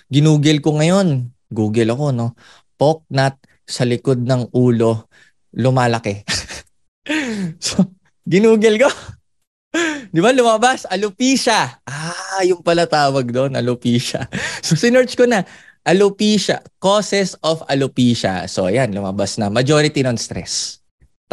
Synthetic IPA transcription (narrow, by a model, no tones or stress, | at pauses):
ɡɪnuːɡɛlkoŋɐjo̞n | ɡuːɡɛlɐko̞no̞ | pok̚nɐt̪̚ | sɐlɪko̞d̪̚nɐŋʔuːlo̞ | lʊmaːlɐkɛ | so | ɡɪnuːɡɛlko̞ | d̪ɪbalʊmɐbasɐlʊpiːʃɐʔajʊŋpɐlɐt̪aːwɐɡ̚d̪o̞nɐ̰lʊpiːʃɐ̰so̞sɪnɛɹt͡ʃkonɐ | ʔɐlʊpiːʃɐkoːsɛsofɐlʊpiːʃɐ̰so̞ʔɐjanlʊmɐbasnɐmɐd͡ʒo̞ːɾɪt̪inonst̪ɾɛ̰s